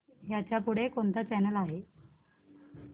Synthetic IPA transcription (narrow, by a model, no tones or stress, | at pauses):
jat͡ɕjapuɽ̤ekont̪at͡ɕɛnəlaɦe